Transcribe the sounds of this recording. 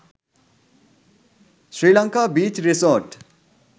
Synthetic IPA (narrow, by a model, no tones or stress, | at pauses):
srilʌŋkabit͡ʃrisorʈ